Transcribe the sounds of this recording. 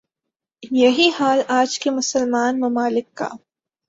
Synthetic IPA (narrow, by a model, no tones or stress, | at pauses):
jɐɦihaːlaːd͡ʒkemʊsəlmaːnmɐmaːlɪkːa̰ː